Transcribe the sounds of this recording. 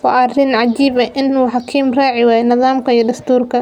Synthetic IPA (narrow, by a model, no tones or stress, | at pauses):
wɑʔɐrɪnʕɑd͡ʒiːbɐʔɪnuːħɑkʰiːmrɑːʕɪwaːjnɪðaːmkʰɐijɐd̪ɐst̪ʰuːrkʰɐ